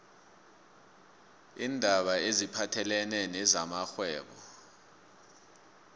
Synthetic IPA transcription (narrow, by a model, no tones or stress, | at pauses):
indʱaɓaezipʰatʰɛlɛnɛnɛzamaxwɛːɓɔ